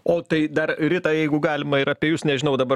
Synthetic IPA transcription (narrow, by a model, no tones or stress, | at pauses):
oːt̪ɐɪd̪ɐɾɾʲɪt̪ɐjɛɪɡʊɡɑːlʲɪmɐɪɾɐpʲeɛjʊsnʲɛʒʲɪnɐʊd̪ɐbɐ